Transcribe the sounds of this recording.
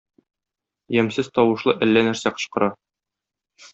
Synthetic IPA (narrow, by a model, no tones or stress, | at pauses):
jæmsɘzt̪ɒwɤ̆ʃlˠɤʔælːænæɾsæqɤ̥̆ɕqɤ̆ɾɑ